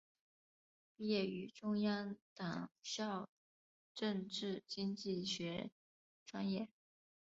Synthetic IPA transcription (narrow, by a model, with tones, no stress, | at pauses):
pi˥jɛ˥˩y˧˥ʈ͡ʂʊ˥ŋjɑ˥ŋt̪ɑ˨˩ŋɕjɑ˥˧ʊ | ʈ͡ʂɤ˥˧ŋʈ͡ʂɻ̩˥˩t͡ɕi˥ŋt͡ɕi˥˩ɕɥɛ˧˥ | ʈ͡ʂwa˥njɛ˥˩